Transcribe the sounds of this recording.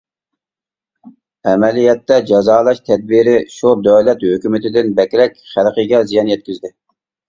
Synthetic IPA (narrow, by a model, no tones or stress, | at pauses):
ɛmɛlijɛt̪ːɛd͡ʒɑzɑːlˠɑʃt̪ʰɛd̪̚biɾɪʃud̪øwlɛt̪høkʲymɪt̪ʰɪd̪ɪnbɛkʲɾɛkʲχælqəɡʲɛzijɑnjɛt̪̚kʲyzd̪ɪ